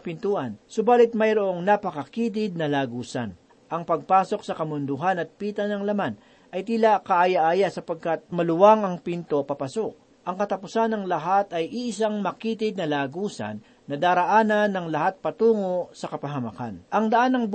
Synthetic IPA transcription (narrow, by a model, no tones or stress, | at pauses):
pɪnt̪uːʔɐnsʊbaːlɪt̪̚mɐjɾoʔo̞ŋnapɐkɐkiːt̪̬ɪd̪̚nɐlaːɡuːsa̰n | ʔɐŋpɐɡ̚paːso̞ksɐkɐmʊnd̪ʊɦanɐt̪̚piːt̪ɐnɐŋlɐman | ʔɐjt̪ilakɐʔajaʔaːjasɐpɐɡ̚kat̪̚mɐlʊwaŋɐŋpint̪o̞pɐpɐsok̚ | ʔɐŋkɐt̪ɐpʊsanɐŋlɐɦat̪ɐjʔiʔɪs̬aŋmɐkiːt̪ɪd̪̚nɐlaːɡuːsɐ̰nːɐd̪aːɾɐʔaːnɐnːɐŋlɐhat̪̚pɐt̪uːŋosɐkɐpɐɦɐmɐka̰nʔɐŋd̪ɐʔanːɐŋb